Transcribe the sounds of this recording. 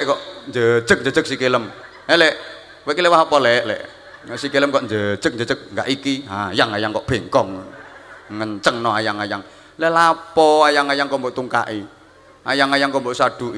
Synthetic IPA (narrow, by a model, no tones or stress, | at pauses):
ʔkɔʔnd͡ʒəd̥d͡ʒ̥ək̚nd͡ʒə̥d͡ʒ̥ə̤k̚sikeləm | ɛlɛʔ | wɛʔkilɛwaɦapɔlɛʔlɛ̰ʔ | sikeləmkɔʔnd͡ʒə̥ʒ̥ək̚nd͡ʒədd͡ʒ̥ək̚ŋɡa̰ʔikiɦajaŋajaŋkɔʔb̥e̤ŋkɔŋ | ŋəɲt͡ʃəŋnɔajaŋajaŋ | lɛlapɔajaŋajaŋkɔmboʔt̪uŋka̰ʔi | ʔa̰jaŋajaŋkɔmboʔsaɖ̥ṳ